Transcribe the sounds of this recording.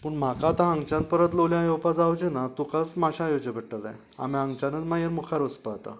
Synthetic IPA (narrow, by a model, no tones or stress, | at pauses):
pəɳm̤akat̪ãɦãŋɡt͡ɕãnt̪pəɾət̪lowljãjowpad͡zawd͡ʑenat̪ukat͡smaɕʰajod͡ʑəpəʈːət̪a̰ | a̰miãŋɡt͡ɕanət͡smajəɾmukʰaɾəspaat̪a̰